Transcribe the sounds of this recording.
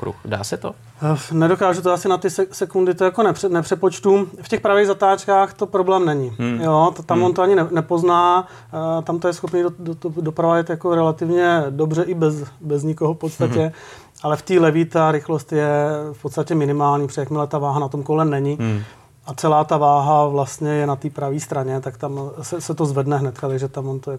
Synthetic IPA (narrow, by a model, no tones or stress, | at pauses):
kɾṵxda̰ːsɛt̪o̰ | nɛdo̞kaːʒut̪oasɪnat̪ɪsɛsɛkundɪt̪ojakonɛpr̥ɛnɛpr̥ɛpot͡ʃt̪ufcɛxpɾaviːɣzat̪aːt͡ʃkaːxt̪o̞pɾo̞blɛːmnɛɲɪjot̪t̪amont̪oaɲɪnɛnɛpo̞znaː | t̪amt̪ojɛsxo̞pniːdodot̪odopɾavajɛt̪jakoɾɛlat̪ɪvɲɛdobrɛʔɪbɛzbɛzɲɪkoɦofpot̪st̪acɛ | ʔalɛft̪iːlɛvit̪aɾɪxlo̞st̪jɛfpot̪st̪acɛmɪnɪmaːlɲiːfrɛxmɪlɛt̪avaːɦanat̪omkolɛmnɛɲɪ | at̪t͡sɛlaːt̪avaːɦavlast̪ɲɛjɛnat̪iːpɾaviːst̪ɾaɲɛt̪akt̪amsɛsɛt̪ozvɛdnɛɦnɛt̪kat̪aɡʒɛt̪amvont̪ojɛ